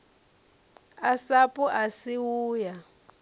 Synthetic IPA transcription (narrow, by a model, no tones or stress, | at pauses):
asapʼuʔasiwuːja